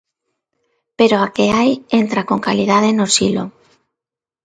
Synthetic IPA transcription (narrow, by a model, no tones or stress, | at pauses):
peɾoakeajent̪ɾakoŋkalið̞að̞enosilo̰